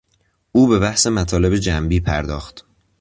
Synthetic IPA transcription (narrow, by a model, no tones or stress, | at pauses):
uːbe̞bæhse̞mæt̪ʰɒːle̞be̞d͡ʒæmbiːpʰæɾd̪ɒːxt̪